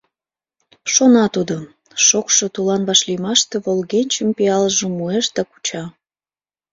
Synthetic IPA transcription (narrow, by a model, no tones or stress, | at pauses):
ʃonɑt̪ud̪o | ʃokʃot̪ulɑnβɑʃlijmɑʃt̪eβolɣenʲt͡ɕəmpiɑlʒomueʃd̪ɑku̥t͡ɕɑ